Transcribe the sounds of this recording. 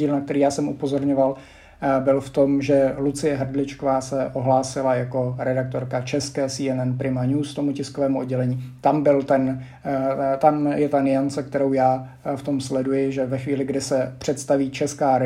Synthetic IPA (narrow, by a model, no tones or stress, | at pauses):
iːlnak̚t̪ɛɾiːjaːsɛmupo̞zoɾɲoval | bɪlft̪o̞mʒɛlut͡sɪjɛɦr̩dlɪt͡ʃkovaːsɛʔoɦlaːsɪlajako̞ɾɛdak̚t̪o̞ɾkat͡ʃɛskɛːsiːɛnɛnpɾɪmaɲuːst̪omucɪskovɛːmuodɟɛlɛɲiːt̪ambɪlt̪ɛn | t̪amjɛt̪anɪant͡sɛk̚t̪ɛɾowjaː | ft̪o̞mslɛdujɪʒɛvɛxviːlɪɡdɪsɛpr̝̥ɛt̪st̪aviːt͡ʃɛskaːɾ